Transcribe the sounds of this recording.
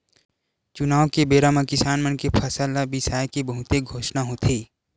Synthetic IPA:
t͡ʃʊnaːʋkebeːɾamãkɪsaːnmənkepʰɐsəlabɪsaːjkebɐɦʊt̪eɡʱoːʃnaɦoːt̪ʰeː

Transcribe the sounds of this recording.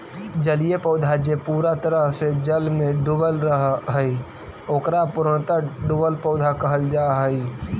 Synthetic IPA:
d͡ʒəlijepəʊd̪ʱad͡ʒepuːɾat̪əɾəɦsed͡ʒəlmẽɖubəlɾəɦɦəi | oːkɾapʊɾəɳt̪əɖʊbəlpɔʊd̪ʱakəɦəld͡ʒaːɦəi

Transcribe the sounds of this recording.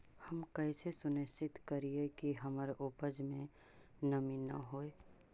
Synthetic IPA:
hɐmkəːsesʊnɪst͡ʃɪt̪kɐɾiekiɦɐmaɾeʔoːpəd͡ʒmẽ | nɐminɐ̰ɦoːe

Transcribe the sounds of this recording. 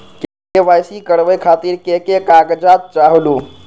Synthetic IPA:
kekeʋajsikəɾʋəkʰat̪iɾkekekaɡd͡ʒat̪̚t͡ʃaɦlu

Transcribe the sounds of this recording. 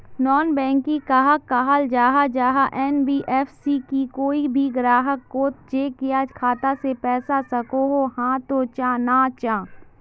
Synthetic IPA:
nɔːnbɛ̃ːŋkːikaːɦəkːaɦald͡ʒaːɦad͡ʒaːɦaʔɛːnbiːʔɛːfsikikoːibʱiɡɾaːɦəkːoːt̪̚d͡ʒeːkijaːd͡ʒkʰaːt̪asepɛːsasɐkoɦohãːt̪ot͡ʃãːnaːt͡ʃãː

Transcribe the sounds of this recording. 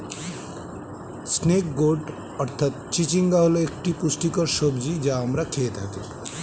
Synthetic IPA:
snek̚ɡoʈ | əɾt̪ʰat̪̚t͡ʃit͡ʃiŋɡaɦoloek̚ʈipusʈikəɾsobd͡ʒid͡ʒaəmɾakʰeːt̪ɦat̪i

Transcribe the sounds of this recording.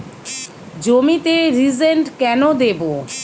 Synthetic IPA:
d͡ʑomit̪eɾizeɳʈkɛnod̪ebo

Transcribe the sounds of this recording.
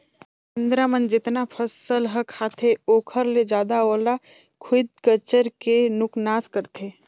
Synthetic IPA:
kɪ̃nd̪ɾamənd͡ʒɪt̪napʰəsəlɦəkʰːaːt̪ʰeoːkʰəɾled͡ʒaːd̪aoːla | kʰʊd̪̚kət͡ʃəɾkenʊknaːskəɾt̪ʰeː

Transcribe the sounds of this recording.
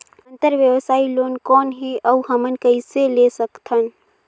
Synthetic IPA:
ə̃nt̪əɾʋjəʋsaːiloːnkɔːnɦiəuɦəmənkəiselesəkt̪ʰən

